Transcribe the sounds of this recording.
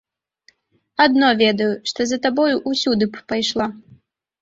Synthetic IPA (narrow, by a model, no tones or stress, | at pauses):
ad̪nɔvʲɛd̪ɐjuʂt̪ɔzɐt̪abɔjuʔusʲud̪ɨpajʂlˠa